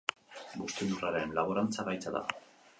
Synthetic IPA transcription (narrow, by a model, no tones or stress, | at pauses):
bust̪eðuraɾenlaβoɾant͡saβajt͡saða̰